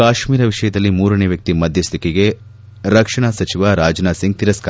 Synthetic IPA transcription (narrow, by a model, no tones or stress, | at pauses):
kaːʃmiːɾɐʋiʂɐjɐd̪ɐlːimuːɾɐneʋjɐk̚t̪imɐd̪ʱjɐst̪ikiɡe̞ | ɾɐkʂɐɳ̃asɐt͡ʃiʋaɾaːd͡ʒɐnaːsiŋɡ̚t̪iɾɐska